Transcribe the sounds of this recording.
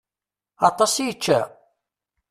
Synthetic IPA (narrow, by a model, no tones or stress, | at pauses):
ɑt̪ˤɑsjət͡ʃːæ